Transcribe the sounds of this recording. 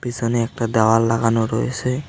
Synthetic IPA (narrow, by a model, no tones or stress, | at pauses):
bizɔnɛɛk̚tadawalːaɡanɔɹojasɛ